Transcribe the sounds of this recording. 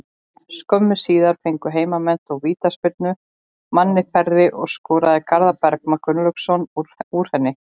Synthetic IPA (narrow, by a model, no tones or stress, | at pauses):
skœmːʏsiːðaɾ̥fejŋkʏɦeːjmamɛn̥t̪ɔɣviːt̪aspɪɾt̪nʏ | manːɪfɛɾðɪʔɔɣskɔːɾaðɪkʰaɾðapɛɾk̚makʏnlœksɔnuɾ̥hɛnːɪ